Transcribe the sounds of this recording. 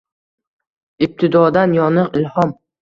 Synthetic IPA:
ɪp̚t̪ʰɪd̪ɒd̪anjɒnɨqɪlhɒm

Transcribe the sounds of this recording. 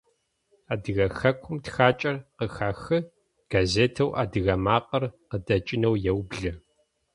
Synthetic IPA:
aːdɨɣɐxɐkʷʰʊmtxaːt͡ʃʼɐrqəxaːxɨ | ɡ̥azeːtʰɐwʔaːdɨɣɐmaːqʼɐrqədɐt͡ʃʼɪnɐwjɛwbɮɨ

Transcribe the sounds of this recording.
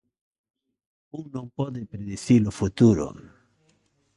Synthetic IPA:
uŋnõmpɔðepɾeðeθilofut̪uɾo̰

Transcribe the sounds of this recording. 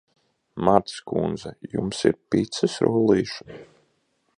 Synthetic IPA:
maɾt̪skund̪zɛjṵmsḭɾpit̪sɨsɾuːlˠiːʃun

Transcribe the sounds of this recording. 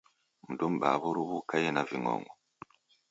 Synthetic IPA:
m̩dumbaβoɾuβukajenaviŋo̰ːŋɡo

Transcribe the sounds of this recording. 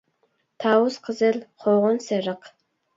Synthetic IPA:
t̪ʰɑwʊsqʰəzɨlqʰoʁʊnseɾəq

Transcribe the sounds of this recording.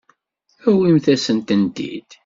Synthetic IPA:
æwimθæsənt̪ənd̪ḭd̪̥

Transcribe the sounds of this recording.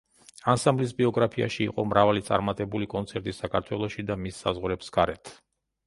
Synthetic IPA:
ansamblis̬biɔɡɾapʰia̰ʃiːqʼɔmɾavalit̪sʼa̰ɾmat̪ʼɛbulikʼɔnt̪sʰɛɾt̪ʼisakʰaɾt̪ʰwɛlˠɔʃid̪amisːa̰zʁwɾɛpsɡ̥aɾɛt̪ʰ

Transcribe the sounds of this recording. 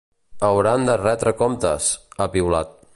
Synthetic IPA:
əwɾand̪ərɛt̪ɾəkomt̪ə̰səpiwla̰t̪̚

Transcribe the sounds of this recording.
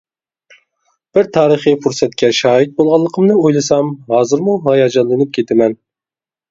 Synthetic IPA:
b̥ɪɾt̪ʰɑːɾəχipʰuɾsɛt̪kʲʰɛʃɑːɦit̪̚bolˠʁɑlˠːəqʰəmnɨojlˠɨsɑmɦɑːzɨɾmuɦɑjɑd͡ʒɑnlˠɨnɨp̚kʲʰet̪ʰɪmɛn

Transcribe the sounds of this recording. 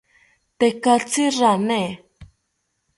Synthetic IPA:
t̪ɛkat͡sʰiranɛ

